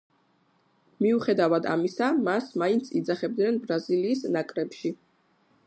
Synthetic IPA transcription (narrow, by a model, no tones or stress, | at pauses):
miuχɛd̪avad̪a̰misamasmaint̪sʰid̪zaχɛb̚d̪nɛnbɾaziliːsnakʼɾɛpʃi